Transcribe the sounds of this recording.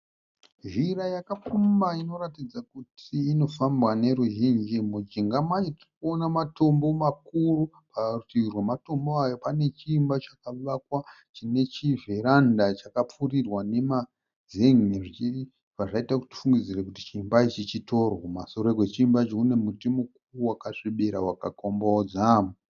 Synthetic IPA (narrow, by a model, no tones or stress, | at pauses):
ʒirajakafumbaino̞ɾatid͡zakutʰiːno̞fambwane̞ɾuʒind͡ʒimud͡ʒiŋɡamaɲitirikuonamato̞mbo̞makuru | parutiirwamato̞mboajo̞pane̞t͡ʃiːmbat͡ʃakaʋakwa | t͡ʃine̞t͡ʃive̞ɾandat͡ʃakap͡furirwane̞ma | zeŋneʐit͡ʃi | ʋaʐaitaku̥ti̥fuŋɡid͡zirekutit͡ʃiːmbait͡ʃit͡ʃito̞rwomasoɾekwe̞t͡ʃiːmbat͡ʃiune̞mutimukuuwakaʂiɓeɾawakakombood͡zamu